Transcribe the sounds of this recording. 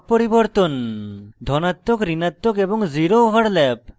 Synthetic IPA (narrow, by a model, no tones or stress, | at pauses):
poɾibɔɾt̪ond̪ʱɔnat̪ːokɾinat̪ːokeboŋziɾoɦɔɽlɛp̚